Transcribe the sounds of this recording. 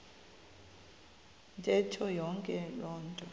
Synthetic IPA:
ntʼɛtʰɔjɔŋkʼɛlɔːntʼɔ

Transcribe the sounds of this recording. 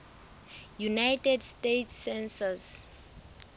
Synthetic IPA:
junajtɛdstetʰːɛnsas

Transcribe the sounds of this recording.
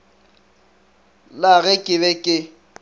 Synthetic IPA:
laɣɛkʼɪβɛkʼɪ

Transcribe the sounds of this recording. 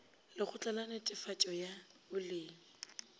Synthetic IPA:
lɪχʊt͡ɬʼalanetʼɪfat͡ʃʼɔjabʊleːŋ̩

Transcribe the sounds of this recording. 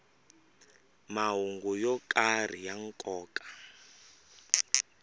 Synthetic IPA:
maɦuŋɡujɔkʼar̤ijaŋkʼɔːkʼḁ

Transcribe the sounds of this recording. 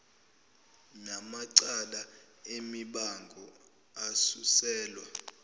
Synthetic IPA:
namaǀala | emiɓaŋɡʱɔ | asusɛːlwa

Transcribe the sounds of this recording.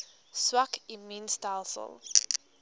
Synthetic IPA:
swakiminstajlˠsə̰lˠ

